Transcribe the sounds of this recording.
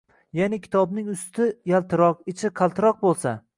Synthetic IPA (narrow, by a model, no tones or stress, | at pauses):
janɪkʲʰɪ̥t̪ʰɒbnɪŋʊst̪ʰɪjalˠt̪ʰɪɾɒqɪt͡ʃʰɪqʰɑlˠt̪ʰɪɾɒq̚bolˠsa